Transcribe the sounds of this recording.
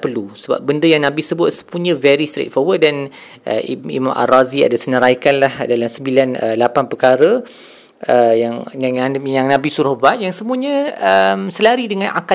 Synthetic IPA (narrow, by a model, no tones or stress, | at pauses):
pəlusəba̰p̚bəndəjaŋnabɪsəbʊt̪̚sə̥puɲə̃vɛɾist̪ɾḛt̚fɔwət̚dan | ʔə̰ḭmamʔa̰razia̰dasənəɾajkanlahdalamsəmbilanəlapanpəkaɾə | əjaŋaajaŋnãbisuɾahbaʔjaŋsəmũə̃ɲə̃əmsəlaɾidəŋãnʔa̰ka